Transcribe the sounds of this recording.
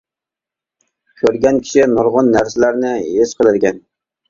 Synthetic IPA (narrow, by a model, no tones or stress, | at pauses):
kʲʰøɾɡʲɛnkʲʰi̥ʃɪnʊɾʁʊnːæɾsɪlæɾnɪesqʰəlˠɨd̪ɪɡʲɛn